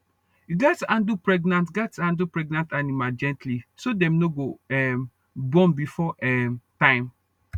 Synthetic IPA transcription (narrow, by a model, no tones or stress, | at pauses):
juɡatãndupɹɛɡnãntɡatãndupɹɛɡ̚nãntanimald͡ʒɛ̃ntlisodɛ̃mnoɡoɛm | bɔ̃mbifɔʔɛmtãɪ̃m